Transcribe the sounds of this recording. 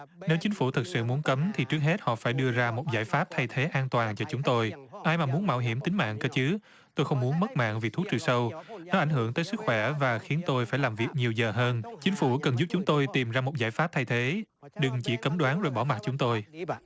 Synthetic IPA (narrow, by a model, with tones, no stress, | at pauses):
ne˨˦wt͡ɕï˨˦ŋ̟fu˧˩t̪ʰɨ˨˩t̚sɨ̰˧˨mu˨˦ənkə˨˦mt̪ʰi˨˩t͡ɕɨ˦ək̚he˦˥t̚hɔ̰˧˨faː˧˩jɗɨ˧əzaː˧mo˨˩t̚zaː˧˩jfaː˦˥p̚t̪ʰa˧jt̪ʰe˨˦ʔaː˧nt̪waː˨˩nt͡ɕɔ˧t͡ɕʊ˨˦ŋ͡mt̪o˧jʔaː˧jmaː˨˩mu˨˦ənma̰ː˧˩wɦi˧˩əmt̪ï˨˦ŋ̟ma̰ː˧˨ŋkəː˧t͡ɕɨ˨˦ | t̪o˧jxə˧wŋ͡mmu˨˦nmə˦˥t̚ma̰ː˧˨ŋvi˨˩t̪ʰu˦˥k̚t͡ɕɨ˨˩sə˧wnɔ˨˦ʔa˧˩jŋ̟ɦɨ˧˩əŋt̪əː˨˦sɨ˦˥k̚xwɛ˧˩vaː˨˩xi˨˦ənt̪o˧jfaː˧˩jlaː˨˩mvi˨˩ək̚ɲi˨˩əwzəː˨˩ɦəː˧nt͡ɕï˨˦ŋ̟fu˧˩kə˨˩nzu˦˥p̚t͡ɕʊ˨˦ŋ͡mt̪o˧jt̪i˨˩mzaː˧mo˨˩t̚zaː˧˩jfa˦˥p̚t̪ʰa˧jt̪ʰe˨˦ | ɗɨ˨˩ŋt͡ɕḭ˧˩kə˨˦mɗwaː˨˦nzo˨˩jɓɔ˧˩ma˨˩t̚t͡ɕʊ˨˦ŋ͡mt̪o˧j